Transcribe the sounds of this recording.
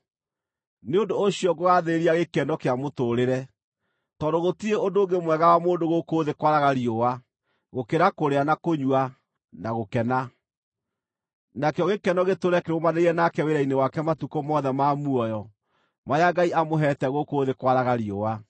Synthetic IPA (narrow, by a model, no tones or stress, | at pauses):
neondoːɕjɔɡoɣaðeeɾiaɣekɛnɔkeamotoɾeɾɛ | tɔdoɣotieondoːŋɡemwɛɣaɣamoːndoɣokoðekwaɾaɣaɾiowa | ɣokeɾakoɾeanakoɲwa | naɣokɛna | nakeɔɣekɛnɔɣetoɾɛkeɾomaneiɾɛnakɛweɾainewakɛmatukomɔðɛmamuɔjɔ | maɾeaɡaiʔamoɦɛtɛɣokoːðekwaɾaɣaɾiowa